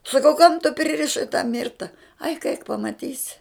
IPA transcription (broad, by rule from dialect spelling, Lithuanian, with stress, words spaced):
sɐˈkɐʊ kɐm tʊ pʲrʲɪrʲɪˈʃɐɪ tɑː ˈmʲɪrtɐ ɐɪk ɐɪk pɐmɐˈtʲiːsʲɪ